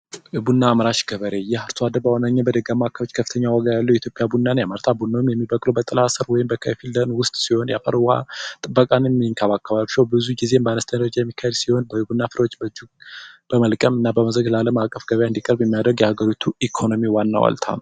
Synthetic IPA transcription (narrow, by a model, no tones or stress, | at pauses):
ʔɨbunːaːmɾaʃɡ̥əβəɾejɛhaɾt̪ʰuad̪əbawɔnaɲːabəd̪əɡamakʰːəβot͡ʃːkʰəfːɨ̥t̪ʰəɲːawɔɡajalːəwjɛit̪jo̞pʼjabunːanjamaɾt̪ʰabunːawmjɛmːibəkʼlobət̪ʼɨlasəɾwɔjɪmbəkʰəfilːənwʊst̪ʼsiho̞njafəɾwha̰t̪ʼɨbːəkʼanmːiŋkʰaβakʰːaβaβʃəwbɨzuɡize̞mbəanəst̪ʰəd͡ʒajɛmːikʰːahed̪siho̞nbəhɨbunːafɨɾwot͡ʃːbəd͡ʒuɡb̥əməlkʼəmɨnːabəməzɾəɡlaləmakʼːəfɡəβəjaɨnd̪ikʼəɾbjɛmːijad̪ɾəɡjɛhaɡəɾit̪ʰuikʰo̞no̞miwanːa̰wa̰lt̪ʰa̰nəw